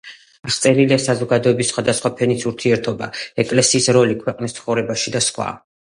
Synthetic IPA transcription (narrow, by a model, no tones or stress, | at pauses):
ast̪sʼɛɾiliasazɔɡad̪ɔɛbisːχwad̪asχwapʰɛnisuɾt̪ʰiɛɾt̪ʰɔbaɛkʼlɛsiːsɾɔlikʰwɛqʼnist̪sʰχɔvɾɛbaʃid̪asχwa̰